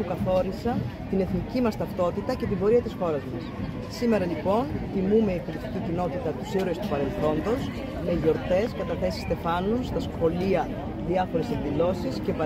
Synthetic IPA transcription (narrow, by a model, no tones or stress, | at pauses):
ukɐθo̞ɾisɐn | t̪ine̞θnicimɐst̪ɐft̪o̞t̪it̪ɐce̞t̪ibo̞ɾiɐt̪isxo̞ɾɐzmɐs | sime̞ɾɐlipo̞nθimume̞ikoɾist̪icicino̞t̪it̪ɐt̪usiɾoest̪upɐɾe̞lθo̞nd̪o̞s | me̞ʝo̞ɾt̪e̞skɐt̪ɐθe̞si̥st̪e̞fɐnunst̪ɐsxo̞liɐ | ðiɐfo̞ɾe̞sekðilo̞siscepɐ